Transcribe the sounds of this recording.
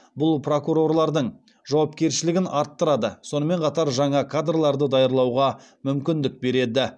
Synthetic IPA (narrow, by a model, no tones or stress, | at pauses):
bʊlˠpro̞kuɾo̞rlˠɑɾd̪əɴ | ʒɑwɑp̚kʲe̞ɾʃɪlɪɡʲɪnɑɾt̪ːəɾɑd̪əso̞nəme̞ɴqʰɑt̪ɑɾʒɑɴɑkʰad̪ralˠɑɾd̪əd̪ɑjəɾlˠɑwʁɑ | mʏmkʲɪnd̪ɪk̚be̞ɾe̞d̪ɪ